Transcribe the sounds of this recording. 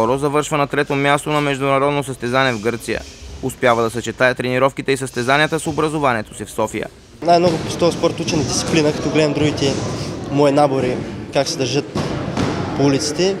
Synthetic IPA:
ɔɾozɐvɤɾʃvənɐt̪ɾɛt̪omʲjast̪onɐmɛʒd̪ʊnɐɾɔd̪nosɐst̪ɛzanɛvɡɤɾt̪sijə̰ʊspjavəd̪ɐsɛt͡ʃɛt̪ajət̪ɾɛniɾɔfkit̪ɛisəst̪ɛzaniət̪əsobɾɐzovaniɛt̪o̥sifsɔfijə̰ | najmnɔɡʊpst̪ɔəspɔɾt̪ut͡ʃɛnɐd̪it̪t̪i̥plinəkɐ̥t̪ɔɡlɛd̪ɐmd̪ɾuɡʲit̪ɛmɔinaboɾikaksɛd̪ɐɾʒɤt̪ | poulit̪si̥t̪ɛ

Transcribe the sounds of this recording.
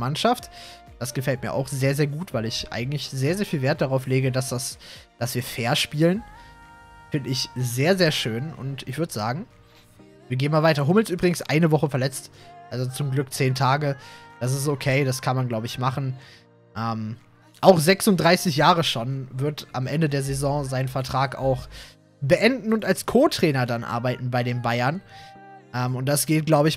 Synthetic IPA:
manʃaft | d̥asɡ̥əfɛltmiːɐʔa̰ʊxz̥eːɐzeːɐɡuːtv̥aɪlɪçʔa̰ɪɡŋ̩tlɪçz̥eːɐzeːɐfiːlveːɐt̚d̥aʁaʊfleːɡədasd̥as | d̥asv̥iːɐfeːɐʃpiːlən | fɪndəɪçzeːɐzeːɐʃøːnʔʊ̰ntɪçv̥ʏɐdəza̰ːɡŋ̩ | viːɐɡeːənmaːlvaɪtɐɦʊml̩sʔyːbʁɪɡŋ̩sʔa̰ɪnəvɔχəfɛɐlɛt͡stʔalzot͡sʊmɡlʏkt͡seːntʰaːɡəd̥as̬ɪstokʰeɪdaskʰanmanɡlaʊbəɪçmaχn̩ | ʔɛːm | ʔaʊxz̥ɛksʊntd̥ʁaɪsɪçjaːʁəʃoːnvɪɐtʔamʔɛndədeːɐzezɔ̃ːzaɪnnfɛɐtʁ̥aːka̰ʊx | bəʔɛndn̩ʊntalskʰoːtʁ̥ɛːnɐdanʔa̰ɐbaɪtn̩baɪɾeːnbaɪɐn | ʔɛːmʊnt̚d̥asɡ̥eːt̚ɡ̥laʊbəɪç

